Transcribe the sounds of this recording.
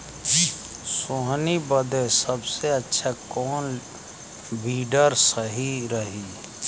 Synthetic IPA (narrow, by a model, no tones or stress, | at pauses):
soɦnibəd̪esəbseətːʃʰakɔːn | bʱiːɖəɾsəɦiɾəɦi